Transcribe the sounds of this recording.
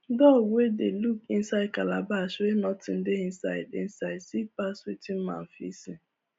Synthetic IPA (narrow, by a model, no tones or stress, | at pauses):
dɔɡʷedelukin̩saɪd̚kalabaʃenɔtɪn̩dɪin̩sa̰ɪdɪ̰n̩saɪsipaswitin̩ma̰m̩fḭsi